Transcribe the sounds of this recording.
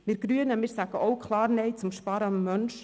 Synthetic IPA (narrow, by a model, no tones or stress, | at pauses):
mɪɾɡ̥ɾyənəmɪɾsæɡ̥əʔoʊkʰlɑːɾnɛɪt͡sʊmʃpɑːɾəɑmːœnʃ